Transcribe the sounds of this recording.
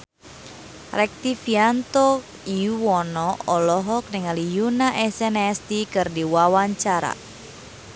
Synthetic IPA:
rɛk̚t̪ifiant̪ɔ | iuwɔnɔɔlɔɦɔk̚niŋalijunaʔɛsɛnɛst̪ikɨrdiwawaɲt͡ʃaɾa̰

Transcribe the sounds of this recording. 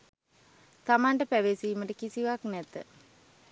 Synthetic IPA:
t̪amaɳʈəpæʋesiːməʈəkisiʋaknɛt̪ə̰

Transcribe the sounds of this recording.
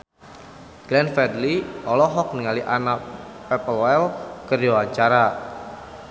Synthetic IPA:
ɡ̥lɛnfɛdliɔlɔɦɔk̚niŋaliʔanapɛpəlɛlkərwat͡ʃaɾa

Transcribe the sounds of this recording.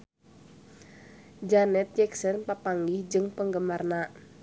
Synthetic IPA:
d͡ʒanɛt̪̚d͡ʒɛksənpapaŋɡihd͡ʒɨŋpəŋɡəmarna

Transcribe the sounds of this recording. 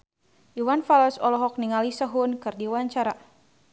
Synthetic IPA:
ʔiwanfaləsɔlɔɦɔk̚niŋalisəɦʊnkɨrdiwaɲt͡ʃaɾa

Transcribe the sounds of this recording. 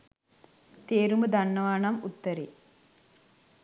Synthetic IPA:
t̪eːɾumɐd̪ɐnːɐʋaːnɐmut̪ːɐɾḛː

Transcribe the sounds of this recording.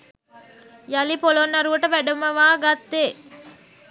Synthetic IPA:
jɐlipolonːɐɾuʋəʈəʋæɖɐmɐʋaːɡɐt̪ːeː

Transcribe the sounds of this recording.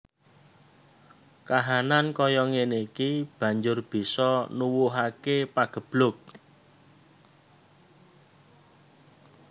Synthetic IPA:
kaɦanankɔjɔŋenikib̥ä̤ɲd͡ʒʊrb̥i̤sɔnuwuɦakepaɡ̥ə̤b̥lʊk̚

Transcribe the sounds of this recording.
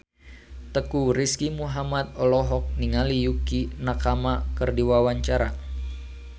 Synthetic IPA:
t̪əkuɾiskimuɦamat̪̚ɔlɔɦɔk̚niŋalijukinakamakərdiwawaɲt͡ʃaɾa

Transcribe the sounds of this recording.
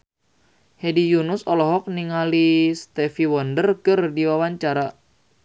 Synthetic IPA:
hedijunʊsɔlɔɦɔk̚niŋalist̪ɛfiwɔndərkɨrdiwawaɲt͡ʃaɾa

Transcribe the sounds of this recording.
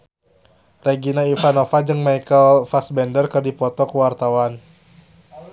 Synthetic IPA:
rɛɡinaifanofad͡ʒɨŋmajkəlfasbɛndərkɨrdipɔt̪ɔkuwart̪awan

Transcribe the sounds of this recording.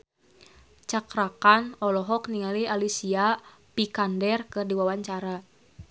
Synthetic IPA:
t͡ʃakɾakanɔlɔɦɔkniŋalialisiapikandɛrkɨrdiwawaɲt͡ʃaɾa

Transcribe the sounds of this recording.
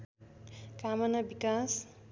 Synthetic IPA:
kamʌnabikas

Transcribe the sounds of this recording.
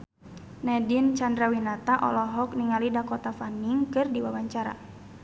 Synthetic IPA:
nɛdint͡ʃandɾawinat̪aʔɔ̰lɔɦɔk̚niŋalidakɔt̪afaniŋkɨrdiwawaɲt͡ʃaɾa̰

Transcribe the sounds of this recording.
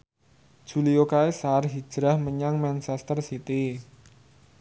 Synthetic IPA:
ʒ̥ṳliokaesarɦi̥d͡ʒʒ̥ɾahməɲaŋmɛnt͡ʃɛst̪ərsit̪i

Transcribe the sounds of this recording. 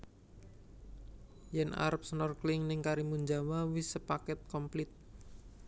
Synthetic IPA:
jɛnʔa̰ɾp̚sənɔrklɪŋnɪŋkaɾimuɲd͡ʒamawisəpakɛt̪̚kɔmplɪt̪̚

